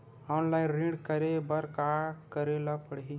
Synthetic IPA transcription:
ɔnlaĩnɾĩɖkəɾebəɾkakəɾelapəɽɦi

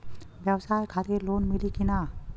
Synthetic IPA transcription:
bawsajkʰat̪elonmilikina

